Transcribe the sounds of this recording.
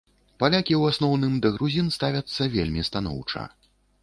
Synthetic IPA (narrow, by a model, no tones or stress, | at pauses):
palʲakʲiwasnɔwn̪ɨmd̪ɐɣɾuzʲinst̪avʲɐt̪sːɐvʲelʲmʲist̪anɔ̰wt͡ʂɐ̰